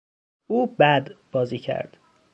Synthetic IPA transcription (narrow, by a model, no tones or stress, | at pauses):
ʔuːbæd̪b̥ɒːziːcʰæ̰ɾd̪̥